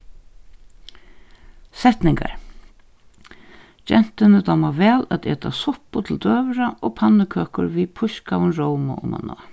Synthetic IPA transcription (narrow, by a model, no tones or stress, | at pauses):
sɛht̪nɪŋka̰ɹ | d͡ʒɛn̥t̪ɪnɪt̪ʰamaʋɛːlat̪ḛːt̪asʊhpʊt̪ʰɪld̪øːʋɾaʔoːpʰanːɪkʰøːkʊɾʋipʰʊʃkawʊnɹowma̰ʔʊ̰ma̰nɔ̰ː